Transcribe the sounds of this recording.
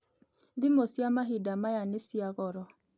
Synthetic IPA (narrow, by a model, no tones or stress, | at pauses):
ðɪmosiamaɦidamajanesiaɣɔɾɔ